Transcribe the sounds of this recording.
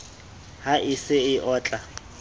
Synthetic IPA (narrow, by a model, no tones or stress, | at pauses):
haʔɪsɪɪʔɔːt͡ɬʼa